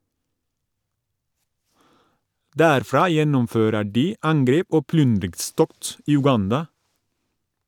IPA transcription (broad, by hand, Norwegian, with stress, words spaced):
ˈdæːɾfɾɑː ˈjɛnʊmˌføːɾə ˈɖiː ˈɑŋˌɡɾeːp ˈoː ˈplʏndɾɪɡˌstɔkt ˈiː ʉˈɡɑndɑ